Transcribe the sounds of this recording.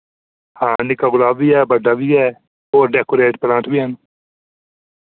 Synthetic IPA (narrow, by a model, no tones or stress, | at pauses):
hãːnɪkaɡʊlaːʋiɛːbəɖaʋiɛː | oːɾɖeːkoɾeːʈ̚plãːʈʋiən